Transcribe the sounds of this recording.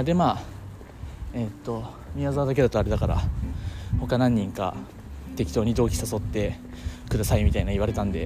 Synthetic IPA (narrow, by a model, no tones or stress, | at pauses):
ad̪e̞maː | et̪ːo̞ | mʲiazaad̪ake̞d̪at̪oaɾe̞d̪akaɾa̰ | ho̞kanãɲ̟ːĩŋka̰ | t̪e̞kʲi̥t̪o̞ːɲ̟id̪o̞ːkʲi̥saso̞t̪ːe̞ | kɯ̟d̪asaimʲit̪ainaiβ̞aɾe̞t̪ãnd̪ḛ